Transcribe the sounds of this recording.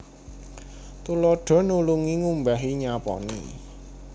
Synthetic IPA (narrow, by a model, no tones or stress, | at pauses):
t̪ulɔɖ̥ɔ̤nuluŋiŋumbaɦiɲapɔ̰nḭ